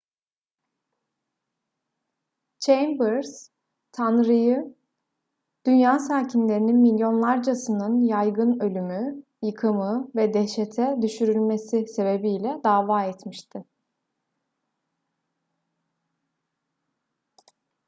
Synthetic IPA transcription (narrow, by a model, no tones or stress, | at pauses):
t͡ʃʰejmbɯɾz̥ | t̪ʰanɾɯjɯ | d̪̥ynjaːsaːcʰinlʲe̞ɾininmilʲjo̞nlˠaɾd͡ʒasɯnɯnjajɡɯnø̞lʲymy | jɯkʰɯmɯvɛd̪ɛʃet̪ʰɛd̪yʃyɾylʲme̞sise̞be̞bijlʲɛd̪aːvaːɛt̪miʃt̪ʰɪ